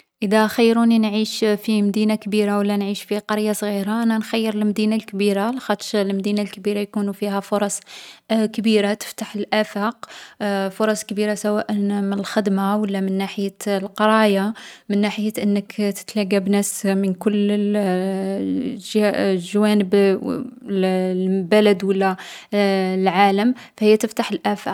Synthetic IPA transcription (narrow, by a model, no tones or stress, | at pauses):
ʔəd̪æxəjːɾuninʕiʃfimd̪inakbiɾawəlːænʕiʃfiqɑɾjasˤɣiɾaʔnænxæjːəɾəlmd̪inalkbiɾalxɑt̪ˤʃlmd̪inalkbiɾajkunufihæfʊɾˤɑsˤ | kbiɾat̪ə̥ft̪aħəəlʔæfaq | fʊɾˤɑsˤkbiɾasæwæʔəmənəlxəd̪mawəlːamənːaħəjəlqɑɾˤɑjamənːaħəjəʔənːəkt̪ə̥t̪læɡabnæsmənkʊlː | ʒʒawænəb | bælæd̪wəlːæ | lʕaləmfæhəjːæt̪əft̪aħəlʔæfaq